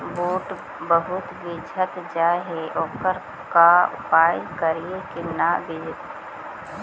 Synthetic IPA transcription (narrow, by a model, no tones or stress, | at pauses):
boːʈ | bəɦʊt̪bid͡ʒʱət̪d͡ʒaːeɦeʔɔːkəɾ | kaʊ̰paːɪlkəɾiekinabɪd͡ʒɪt̪